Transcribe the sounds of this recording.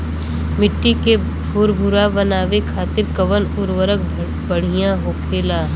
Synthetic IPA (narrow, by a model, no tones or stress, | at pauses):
mɪʈːike | fuːɾbʱʊɾabɐnaːʋekʰaːt̪ɪɾkəʋənʊɾwəɾək̚ | bɐɽ̤ijãɦoːkʰeːlaː